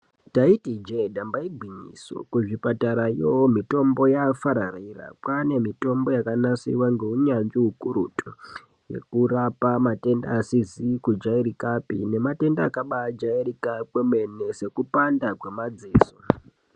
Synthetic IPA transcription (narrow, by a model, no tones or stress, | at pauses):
taitid͡ʒedambaibʱiɲḭso̞̰kuʐipataɾajowomito̞mbo̞jafaɾarira̰kwane̞mito̞mbo̞jakanasḭwaŋɡe̞uɲand͡ʒiɦukuɾutʰo | je̞̰kuɾapamate̞nda̰ːsizikud͡ʒaiɾikapḭne̞mate̞ndaakaɓad͡ʒairikakweme̞ne̞se̞kupandakwe̞mad͡zeːso